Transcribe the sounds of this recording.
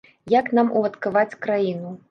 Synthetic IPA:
jaknamʔṵvɐt̪kavat͡sʲkɾajinu

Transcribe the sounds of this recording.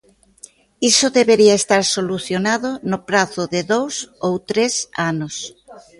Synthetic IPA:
isoðeβeɾiaest̪aɾsoluθjonaðonʊpɾaθʊðeðowsowt̪ɾesanos

